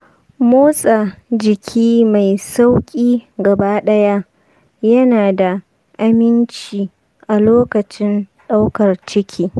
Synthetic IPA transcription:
moː˦sʼa˨d͡ʒɪ˨kʲʰiː˦ma˨jsa˦wkʲʼiː˦ɡɐ˨baː˦ɗɐ˦ja˦ | jɐ˦naː˨da˨ | ʔa˨mɪ˦nt͡ʃiː˨ | ʔa˨loː˦kɐ˨t͡ʃɪ˦nɗa˦wkɐ˨rt͡ʃɪ˦kʲʰiː˦

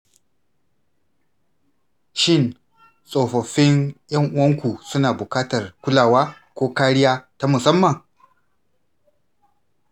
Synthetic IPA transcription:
ʃɪ˦˨n | sʼoː˨ɸɐ˨ɸɪ˦njɐ˦ŋʔʊ˦wɐ˦ŋkʷu˨sʊ˦naː˨bʊ˨kaː˦tɐ˨rkʷʊ˦laː˨waː˦ | kʷoː˦kaː˦ɽɪ˦jaː˦ta˦mʊ˨sɐ˦mːɐ˨ŋ

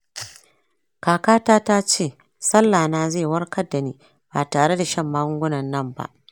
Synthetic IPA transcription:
kaː˨kaː˦taː˦ta˦t͡ʃeː˦˨ | sɐ˦lːaː˨naː˦zeː˦˨wɐ˦rkɐ˦dːa˨niː˦ | baː˨taː˨ɽe˦da˨ʃɐ˦˨mːaː˦ɡʊ˦ɡʷʊ˦nɐ˨nːɐ˦˨mba̰˦ʔ

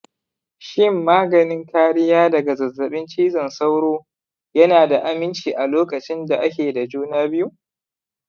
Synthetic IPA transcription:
ʃɪ˦mːaː˦ɡɐ˨nɪ˦ŋkaː˦ɽɪ˦jaː˦dɐ˨ɡa˨zɐ˨zːɐ˨ɓɪ˦nt͡ʃiː˦zɐ˨nsa˦wɽoː˦ | jɐ˦naː˨da˨ʔa˨mɪ˦nt͡ʃiː˨ʔa˨loː˦kʼɐ˨t͡ʃɪ˦nda˨ʔa˦kʲeː˨da˨d͡ʒuː˦naː˦bɪ˦ju˦

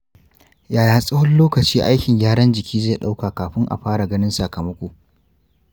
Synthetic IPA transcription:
jaː˨jaː˨sʼɪ˦hʊ˦lloː˦kɐ˨t͡ʃiː˦ʔa˦jkʲɪ˨ŋjʲaː˦ɽɐ˦nd͡ʒɪ˨kʲʰiː˦zeː˦˨ɗa˦wkaː˨kaː˨ɸɪ˦ŋʔa̰˨ɸaː˦ɽa˨ɡɐ˦nɪ˦nsa˨kɐ˨mɐ˦kʷoː˨

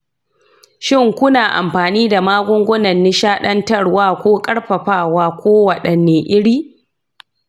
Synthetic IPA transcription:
ʃɪ˦ŋkʷʊ˦naː˨ʔa̰˨mɸaː˨niː˦da˨maː˦ɡʷʊ˦ŋɡʷʊ˦nɐ˨nːɪ˦ʃaː˦ɗɐ˦ntɐ˦ɽwaː˦kʷoː˦kʼɐ˦ɽɸɐ˨ɸaː˦˨waː˦kʷoː˦wɐ˨ɗɐ˨nːeː˨ʔɪ˦ɽiː˦

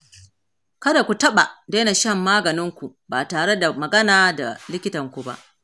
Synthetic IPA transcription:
kɐ˦da˨kʷu˨tɐ˦ɓa˨de˦na˨ʃɐ˦˨mːaː˦ɡɐ˨nɪ˦ŋkʷu˨ | baː˨taː˨ɽe˦da˨mɐ˨ɡɐ˦naː˨da̰˨lɪ˦kʲɪ˦tɐ˨ŋkʷu˨ba̰˦ʔ

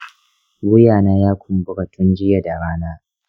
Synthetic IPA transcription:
wʊ˦jaː˨naː˦jaː˦kʷʊ˨mbʊ˦ka˨tʰʊ˦nd͡ʒɪ˦ja˨da˨ɾaː˦naː˦

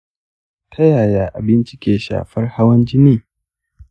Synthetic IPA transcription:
tʰɐ˦jaː˨jaː˦ʔa̰˨bɪ˦nt͡ʃɪ˦kʲeː˨ʃa̰ː˨ɸɐ˦rha˦wɐ˦nd͡ʒɪ˦niː˦

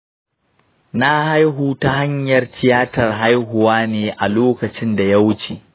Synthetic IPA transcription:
na˦ha˦jɦuː˨ta˦ɦa˦ɲjɐ˨rtʰɪ˦jaː˦tɐ˨rɦa˦jɦʊ˨waː˦neː˨ʔa˨loː˦kɐ˨t͡ʃɪ˦nda˨ja˦wʊ˦t͡ʃeː˨

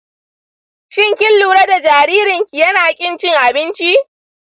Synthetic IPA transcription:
ʃɪ˦ŋkʲɪ˦lːuː˨ɽɐ˦da˨d͡ʒaː˨ɾiː˦ɾɪ˨ŋkʲi˨jɐ˦naː˨kʲʼɪ˦nt͡ʃɪ˦ŋʔa˨bɪ˦nt͡ʃi˦

